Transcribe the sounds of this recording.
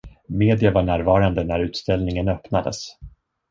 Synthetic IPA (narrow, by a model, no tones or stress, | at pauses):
meːd̪ɪavaɳæːɾvɑːɾand̪ənæɾʉ̟ːt̪st̪ɛlnɪŋənœpnad̪ə̰s